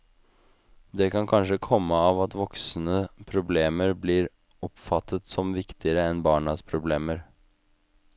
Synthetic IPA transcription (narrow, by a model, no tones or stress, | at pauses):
d̪ɛkʰɑnkʰɑnʂəkʰɔmːəɑːʋɑt̪ʋɔksn̩əpʰɾʊbleːməɾbliːɾ | ɔpfɑt̪ʰːət̪sɔmʋɪkt̪ʰɪəɾəɛnbɑːɳɑspʰɾʊbleːməɾ